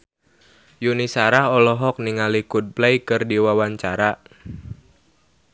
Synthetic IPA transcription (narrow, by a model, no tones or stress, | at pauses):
junisaɾaɦɔlɔɦɔk̚niŋalikud̚plɛjkɨrdiwawaɲt͡ʃaɾa